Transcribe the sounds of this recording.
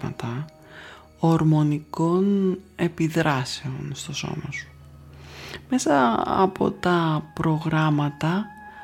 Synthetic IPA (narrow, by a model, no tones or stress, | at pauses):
ɐ̰t̪ɐ | oɾmo̞niko̞ne̞piðɾɐse̞o̞nst̪o̞so̞̰mosu̥ | me̞sɐɐ̰pʰo̞̰t̪ɐpɾo̞ɣɾɐmɐt̪ɐ